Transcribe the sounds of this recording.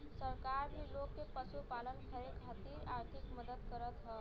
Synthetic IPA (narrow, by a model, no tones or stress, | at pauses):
səɾkaɾbʱilokːepəsupalənkʰəɾekʰat̪iɾaɾt̪ʰikməd̪əd̪kəɾət̪ɦə